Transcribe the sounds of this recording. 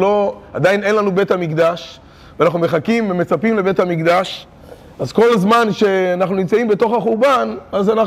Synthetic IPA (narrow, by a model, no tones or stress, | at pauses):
lo̞a̰d̪aine̞nlanube̞t̪hamikd̪aʃ | veanaχnumeχakimveme̞t͡sapimle̞be̞t̪hamikd̪aʃ | azko̞lzmanʃe̞anaχnunimt͡saimbeto̞χaχuʁbanazana